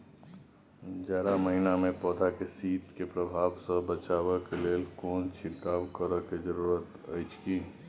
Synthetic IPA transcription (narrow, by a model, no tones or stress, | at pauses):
d͡ʒaːɾaməɦinamẽpɔːd̪ʱakesiːt̪kepɾəbʱaːʋsəbət͡ʃaːʋəkeleːlkoːnt͡ʃʰɪɾkaːʋkəɾəkezəɾuːɾət̪ | əɪt͡ʃkiː